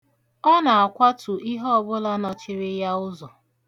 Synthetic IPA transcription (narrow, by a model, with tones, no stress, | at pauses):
ɔ˦na˨a˨kʷa˦tʊ˨ʔi˦ɦɔ˦ɔ˨bʊ˦la˦nɔ˨t͡ʃɪ˦ɾɪ˦ja˦ʊ˦zɔ˨